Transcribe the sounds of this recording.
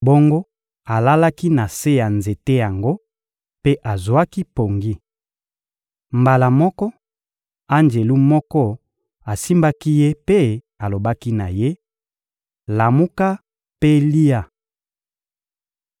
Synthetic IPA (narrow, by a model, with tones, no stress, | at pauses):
bo˦ŋɡo˦ | a˨la˦la˦ki˦na˨se˦ja˨nze˨te˦ja˨ŋɡo˦ | pe˦ʔa˨zwa˦ki˦po˨ŋɡi˦ | mba˨la˨mɔ˦kɔ˦ | a˦nd͡ʒe˨lu˦mɔ˦kɔ˦ | a˨si˦mba˦ki˦je˦pe˦ | a˨lo˨ba˦ki˦na˨je˦ | la˨mu˦ka˦ | pe˦li˦a˦˨